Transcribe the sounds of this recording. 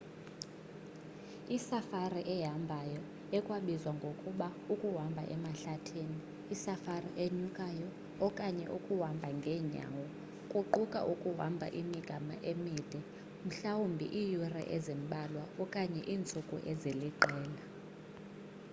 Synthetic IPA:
isafariʔɛɦambʱajɔ | ɛkʼwaɓizwaŋɡʱokʼuɓaukʼuɦambʱa̰ʔɛmaɬatʰeːniː | safariʔeɲukʼajɔː | kʼaɲɛ̰ʔukʼuwambʱaŋɡʱɛːɲa̰wɔ | kʼuǃukʼa̰ʔukʼuɦa̰mbʱa̰ʔimiɡ̥ʱama̰ʔemiːd̥ʱɛ | m̩ɬawumbʱḭʔijurɛ̰ʔɛzem̩ɓʱʼalwaɔkʼaɲɛ̰ʔiːnt͡sʼukʼuʔɛzeliǃʱɛːla

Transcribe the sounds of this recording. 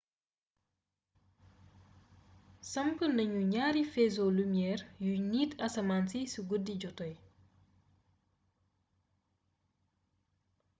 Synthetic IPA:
sɐmbəndɐɲuɲaːɾifɛzolumjɛːrjuniːtʰɐsɐmansisuɡudːiɟɔtɔj

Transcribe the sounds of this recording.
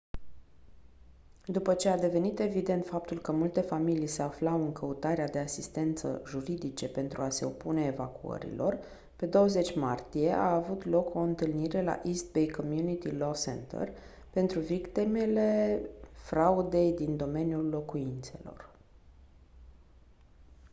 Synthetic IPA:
d̪upət͡ʃe̞ad̪e̞ve̞nit̪e̞vid̪e̞nt̪fap̚t̪ulkəmult̪e̞familijse̞aflawɨŋkəut̪aɾead̪e̞asist̪e̞nt̪sə̰ʒuɾid̪it͡ʃe̞pe̞nt̪ɾʔuase̞opune̞ːvakuə̰ɾḭlo̞r | pe̞d̪o̞wəze̞t͡ʃʲmart̪ije̞ʔaːvut̪lo̞kʰo̞ɨnt̪ɨlniɾe̞la̰ʔist̪̚bejkomjunit̪ilosḛnt̪ḛr | pe̞nt̪ɾuvikt̪ime̞le̞fɾaud̪e̞jd̪ind̪o̞me̞njulːo̞kuint̪se̞̰lo̞̰r

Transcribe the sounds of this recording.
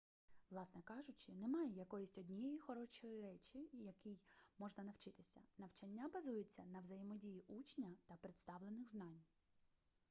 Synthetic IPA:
ʋlˠɑsnɛkɑʒʊt͡ʃɪnemɑjɛjɐkɔjisʲtʲɔdʲnʲijɔjixɔɾɔt͡ʃɔjiɾɛt͡ʃʲijɐkijmɔʒnɐnɐwt͡ʃɪt̪ɪsʲɐnɐwt͡ʃɐnʲːabɐzujɪt͡sʲːɐnɐʋzɐjɪmɔdʲijiʔut͡ʃnʲɐt̪ɐpɾet̪st̪ɑʋlˠenɪɣznɑnʲ

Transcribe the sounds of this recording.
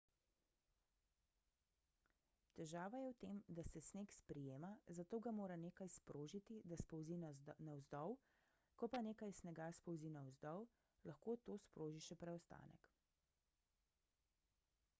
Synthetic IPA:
t̪ɛʒaːʋajɛwt̪eːmd̪asɛsneːkspɾɛjeːmazat̪oːɡamoːɾaneːkajspɾoːʒit̪id̪aspɔwzinawzd̪ɔw | kɔpaneːkajsnɛɡaspɔwzinawzd̪ɔw | laxkoːt̪oːspɾoːʒiʃɛpɾɛɔst̪a̰ːnɛ̰k

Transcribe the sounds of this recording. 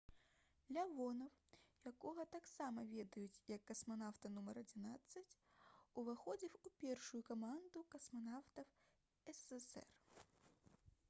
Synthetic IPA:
lʲavɔnɐwjakɔɣɐt̪aksamɐvʲɛd̪ɐjut͡sʲjɐkːɐsmanawt̪ɐnumɐɾɐd͡zʲinat̪sːɐt͡sʲuvɨxɔd͡zʲiwupʲɛrʂʊjukɐmand̪ukɐsmanawt̪ɐw | ɛsɛsɛ̰r

